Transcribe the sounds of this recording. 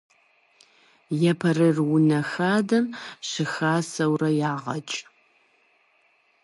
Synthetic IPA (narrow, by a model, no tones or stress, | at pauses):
jɛpʰɐrɨrwʊnɐxaːdɐmɕɪxaːsɐwrɐjaːʁɐ̰t͡ʃʼ